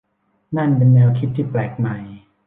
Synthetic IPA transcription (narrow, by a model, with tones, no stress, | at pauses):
na˥˩npe˧nːɛː˧wkʰi˦˥˩t̪̚t̪ʰːiː˥˩plɛː˨˩k̚ma˨˩j